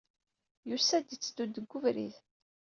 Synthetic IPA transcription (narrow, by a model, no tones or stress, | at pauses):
jusæd̪it͡sːd̪ud̪ːəɡːʊvɾḭð